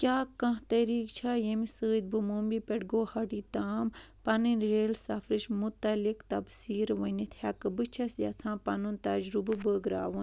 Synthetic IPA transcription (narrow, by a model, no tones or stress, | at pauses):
kʲaːkɐ̃ɦt̪ɐɾiːkt͡ʃʰajemisɨːd̪̚bɨmuːmbipeɽɡoːhɐɖiːt̪aːmpɐnɨnɾeːlsɐfɾiʃmut̪ɐlikt̪ɐbsiːɾʋɐnit̪ʰʲjɐkɨbɨt͡ʃʰɐsjɐ̰t͡sʰãːpɐnunt̪ɐd͡ʒɾubɨbəːɡɾa̰ːʋun